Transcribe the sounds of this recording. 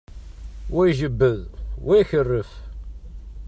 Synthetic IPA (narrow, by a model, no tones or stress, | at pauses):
wæjʒəbːəðwæjçərːəf